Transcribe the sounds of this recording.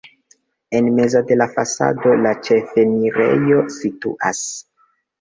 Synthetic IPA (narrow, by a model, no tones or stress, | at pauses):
e̞nme̞zade̞lafasa̰do̞lat͡ʃe̞fe̞niɾe̞̰jo̞sitṵʔa̰s